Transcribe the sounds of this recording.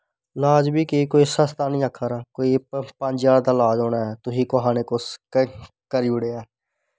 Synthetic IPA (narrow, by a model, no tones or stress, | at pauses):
laːd͡ʒbiːkikoːisəst̪aːnĩːəkʰaːɾaːkoːiːpəɲd͡ʒjaːɽd̪aːlaːd͡ʒoːnaːɦɛːt̪ʊɦiːkoɦaːneːkos | kəɾiʊɽeːɛː